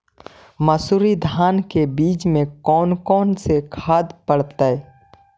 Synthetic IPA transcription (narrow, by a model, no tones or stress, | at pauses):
məsuɾid̪ʱaːnkebiːt͡ʃmẽkɔːnkɔːnsekʰaːd̪pəɽt̪aɛ